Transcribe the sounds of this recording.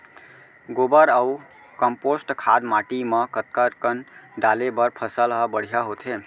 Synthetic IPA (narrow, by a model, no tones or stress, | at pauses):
ɡobəɾəu | kəmposʈkʰad̪maʈiməkət̪̚kəɾkənɖalebəɾpʰəsəlɦəbəɽ̤ijaɦot̪ʰɦe